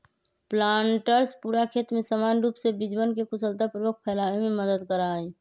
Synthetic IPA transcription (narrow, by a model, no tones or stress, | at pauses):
plaːɳʈəɾspuːɾakʰeːt̪mẽsəmaːnɾuːpsebɪd͡ʒbənkekʊsəlt̪apɾəbokʰkʰɛlaʋemẽməd̪əd̪kəɾae